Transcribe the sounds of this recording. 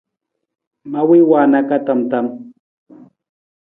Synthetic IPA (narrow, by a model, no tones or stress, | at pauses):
mawɪwaːnakat̪amt̪am